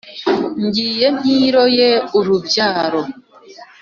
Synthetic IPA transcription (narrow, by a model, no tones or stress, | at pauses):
ɲɟiːjen̥iːɾojeuɾubjaːɾo